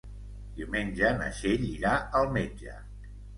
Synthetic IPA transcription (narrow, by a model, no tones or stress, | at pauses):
d̪iwmenʲʒənə̰ʃeʎiɾaəlˠmed͡ʒə̰